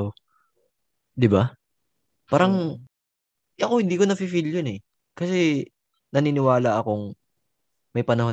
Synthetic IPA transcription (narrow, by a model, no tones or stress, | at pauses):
o | d̪ɪba | paːɾɐŋ | ɐkohɪnd̪iːko̞nɐfifiljonɛ | kɐsɛ | nɐninɪwaːlɐʔɐko̞ŋ | mɐjpɐnɐho